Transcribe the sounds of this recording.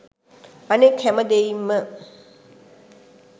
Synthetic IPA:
anekhæməd̪ejimːə

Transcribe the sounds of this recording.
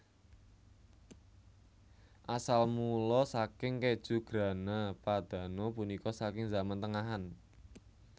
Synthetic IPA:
ʔasalmulɔsakɪŋked̥ʒ̥ṳɡ̥ɾa̤napad̪̥ä̤nɔpunikɔsakɪŋzamant̪əŋaɦan

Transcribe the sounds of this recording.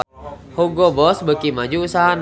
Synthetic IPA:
huɡɔbɔsbəkimad͡ʒuːsaɦan

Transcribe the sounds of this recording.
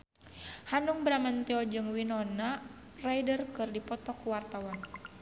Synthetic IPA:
hanuŋbɾamant̪iɔd͡ʒɨŋwinɔna | rajdərkɨrdipɔt̪ɔkuwart̪awan

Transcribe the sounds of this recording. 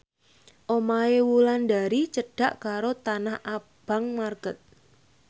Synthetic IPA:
ʔomaewulanɖa̤ɾit͡ʃəɖ̥a̤ʔkaɾot̪anahʔa | b̥a̤ŋmarɡ̥ət̪̚

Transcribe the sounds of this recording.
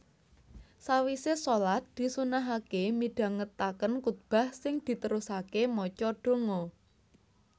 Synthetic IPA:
sawisesolat̪̚d̪̥i̤sunaɦakemiɖ̥ä̤ŋət̪akənkut̪̚b̥a̤hsɪŋd̪̥i̤t̪əɾusakemɔt͡ʃɔɖ̥o̤ŋɔ

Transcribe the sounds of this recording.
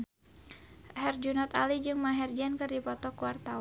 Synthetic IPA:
hɛrd͡ʒunɔt̪a̰lid͡ʒɨŋmaɦɛrd͡ʒankɨrdipɔt̪ɔkuwart̪aw

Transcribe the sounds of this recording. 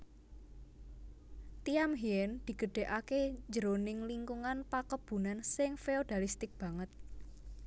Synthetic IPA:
t̪iamɦiɛnd̪̥i̤ɡ̥ə̤ɖ̥e̤ʔakeɲd͡ʒəɾonɪŋliŋkuŋanpakəb̥ṳnansɪŋfeod̪̥alist̪ɪk̚b̥a̤ŋət̪̚

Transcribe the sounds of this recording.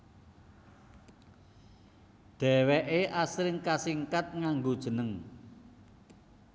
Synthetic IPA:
ɖ̪̥ɛ̤wɛʔeʔasɾɪŋkasiŋkat̪̚ŋaŋɡod̥ʒ̥ə̤nəŋ

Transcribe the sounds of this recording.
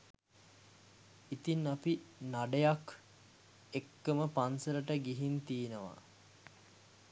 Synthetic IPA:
it̪inːapinaɖəjak | ekːəməpansəɾəʈəɡiɦint̪iːnəʋa̰

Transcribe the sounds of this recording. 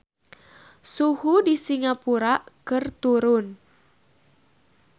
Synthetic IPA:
suhudisiŋapuɾakɨrt̪uɾʊn

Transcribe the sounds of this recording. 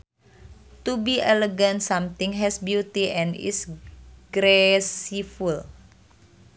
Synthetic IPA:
t̪ubiʔɛleɡãnsamt̪ɪ̃ŋɦɛsbjut̪iʔɛ̃nḭsɡ̥ɾesiful

